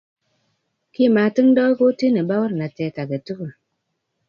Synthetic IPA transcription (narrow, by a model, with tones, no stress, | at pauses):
ki˦˨maː˨tɨ˦ŋ˦dɔ˦ko˦ti˦ne˨ba˦wə˦ɾna˨tɛ˨˦ka˨ke˨tu˦ku˨